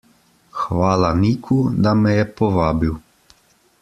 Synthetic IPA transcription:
xʋaːlaniːkʰud̪amɛjɛpɔʋaːbiw

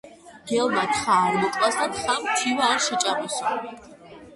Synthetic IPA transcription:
d̥ɛlˠmat̪ʰχaɾmɔkʼlˠasd̪at̪ʰχamt̪ʰivaːɾʃɛt͡ʃʼamɔsɔ

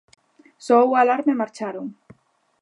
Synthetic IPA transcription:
sɔwalaɾmemaɾt͡ʃaɾoŋ

